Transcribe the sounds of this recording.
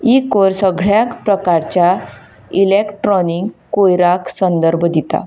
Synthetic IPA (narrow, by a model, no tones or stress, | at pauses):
ikoɾsəɡɭjakpɾəkaɾt͡ɕja | ilekʈɾɔniŋɡkojɾaksənd̪əɾbʱd̪it̪a̰